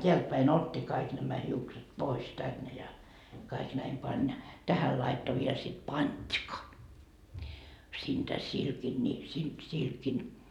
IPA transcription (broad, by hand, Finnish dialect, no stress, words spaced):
teæltpæin otʲːi kɑik næmæ hiukset pois tænːe jɑ kɑik næim pɑnʲ jɑ tæhæl lɑitːo ʋiel sit pɑnʲd̥kɑ siːntæ silkin ni si silkin